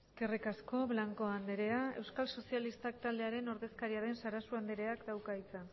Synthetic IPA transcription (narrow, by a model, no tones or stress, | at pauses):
eske̞rikasko̞βlaŋko̞and̪e̞ɾe̞ae̞̰wskalso̞sialist̪ak̚t̪ald̪e̞aɾe̞no̞ɾðe̞skaɾiaðe̞nsaɾasuand̪eɾe̞akd̪awkait͡san